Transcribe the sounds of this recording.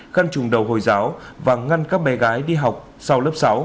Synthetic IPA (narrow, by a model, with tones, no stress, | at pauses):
ɣa˧nt͡ɕʊ˨˩ŋ͡mɗə˨˩wɦo̰˨˩jzaː˨˦wvaː˨˩ŋa˧nkaː˦˥k̚ɓɛ˨˦ɣaː˨˦jɗi˧ɦa˨˩wk͡p̚ | sa˧wləː˦˥p̚sa˨˦w